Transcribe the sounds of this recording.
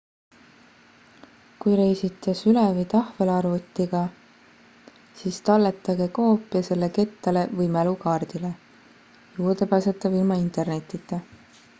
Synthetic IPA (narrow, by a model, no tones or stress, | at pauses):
kujɾe̞jsit̪ˑːesylɛvijt̪ɑhvelɑrvut̪ːiɡ̥ɑ | siːst̪ɑlːet̪ːˑɑɡe̞koːpːˑjɑse̞lːe̞ke̞t̪ːɑle̞vɤjmælukɑːrd̪̥ile̞ | juːrd̪̥epæːset̪ːˑɑvilmɑint̪ˑe̞rne̞t̪ːˑit̪ːˑe